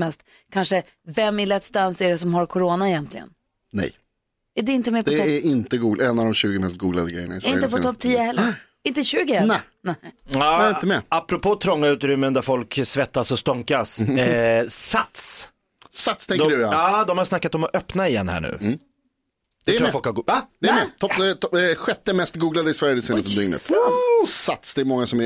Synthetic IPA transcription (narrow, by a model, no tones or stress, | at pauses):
mɛst̪ | kʰanʂə | vɛmːɪlɛt̪st̪ansæɖɛsɔmhaɾkʰɔɾoːnaɛjɛnt̪lɪɡə̰n | nɛ̰j | æɖɛɪnt̪əmɛpd̪ɔɛtʰæɾɪnt̪əɡuːɡlɛnːavd̪ɔmɕʉ̟ːɡɪmɛst̪̚ɡuːɡla̰d̪əɡɾɛ̰jəɳa̰ɪsɪnt̪ːəpɔt̪ʰɔp̚ːt̪ʰiːəhɛlːəɾ | ɪnt̪əɕʉ̟ːɡɪhɛlɛ | nɛaːɪnt̪əmɛapɾɔpʰoːt̪ʰɾɔŋːaʉ̟t̪ɾʏmːənd̪æɾfɔlksvɛt̪ːasɔst̪ɔŋkas | sat̪s | sat̪st̪ʰɛŋd̪ɔkəɖjaɑːd̪ɔmhaɾjsnakːat̪ɔmɔʔœpnaɪjɛ̰nːhæ̰ːɳʉ̟̰ː | d̪ɛɾɾafɔlkhaɡad̪̥ɛæɾmɛt̪ʰɔppt̪ɔɧɛt̪ːəmɛst̪ɡuːɡlad̪əɪsvæɾjəd̪ɪseːnət̪ʰɔd̪ʏŋnə̰t̪sat̪sd̪ɛːɾmɔŋːasɔmɛ